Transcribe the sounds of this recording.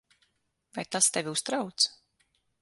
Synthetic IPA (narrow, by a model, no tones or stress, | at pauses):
vajt̪ast̪ɛvʲiust̪ɾawt̪s